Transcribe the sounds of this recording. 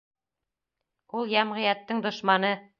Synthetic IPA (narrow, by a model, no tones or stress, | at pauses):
ulˠjæmʁɤ̆jæt̪ːɘŋd̪ŏʃmɑnɤ